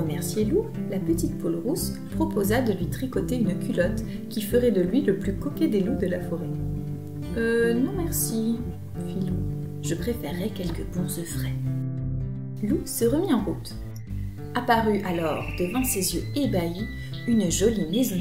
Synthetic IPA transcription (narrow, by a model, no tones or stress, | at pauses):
əmɛʁsjelulapət̪it̪̚pɔlʁus | pχɔpozad̪əlɥit̪χikɔt̪eynkʲylɔt̪ | kʲifəʁɛd̪əlɥiləplykɔkʲed̪elud̪əlafɔʁɛ | ønɔ̃mɛʁsi | filu | ʒəpχefɛʁːɛkʲɛlkəbɔ̃zəfχɛ | lusəʁəmiɑ̃ʁut̪ | apaʁyʔalɔʁd̪əvɑ̃sezjøebai | ynʒɔlimezɔ̃